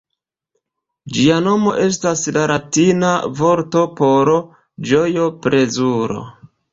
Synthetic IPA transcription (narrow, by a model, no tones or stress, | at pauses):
d͡ʒiano̞mo̞̰ʔe̞s̬taslaɾatinavo̞ɾto̞po̞ɾo | d͡ʒo̞jo̞pɾe̞zuɾo̞̰